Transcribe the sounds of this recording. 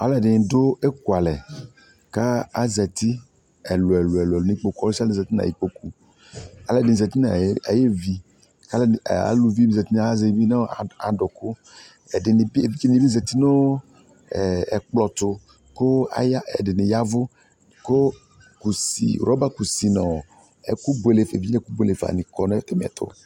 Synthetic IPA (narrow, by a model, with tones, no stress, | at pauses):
a˨lɛ˨dɪ˨ɲ̃˨do˦e˦ku˨a˨lɛ˨ | ka˦a˦zɛ˨t̪i˦ | ɛ˨lʊ˨ɛ˨lo˨ɛ˨lʊ˨lo˨nĩ˦k͡po˦kɔ˦ɾsi˦a˦lzɛ˨t̪i˦na̰˨i˨k͡po˦ku˦ | a˨˦lɛ˨dɪ˨n˨zɛ˨t̪i˦na˨˦a˨je˦vi˨ | ka˦la̰˨lu˨vi˦bi˦zɛ˨t̪i˦na˨˦zɛ˨˦vi˦na˦˨a˨dʊ˨kʊ˦ | ɛ˨dɪ˨n˨be˨vi˦t͡ʃe˦nĩ˨bi˦zɛ˨t̪i˦no˦ | ɛ˨ɛ˨k͡plɔ˨t̪ʊ˧ | ko˦a̰˨˦jɛ˨dɪ˨nɪ˨ja˦vʊ˦ | ko˦ | ku˨sḭ˨ɾɔ˦ba˦ku˨si˨nɔ̃˨ | ɛ̰˦ku˦be˦˨le˨fe˨vi˦ẽ˦ku˦be˦le˨fa̰˨nĩ˨kɔ˨nɛ˦e˦m˨ɛ̰˨t̪ʰʊ̰˦